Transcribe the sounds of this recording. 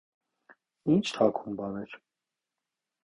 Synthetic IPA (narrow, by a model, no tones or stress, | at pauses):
int͡ʃʰt̪ʰɑkʰumbɑnɛɾ